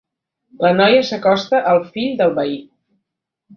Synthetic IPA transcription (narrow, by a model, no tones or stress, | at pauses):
lənɔjəsəkɔst̪əʔəlˠfiʎd̪əlˠβəi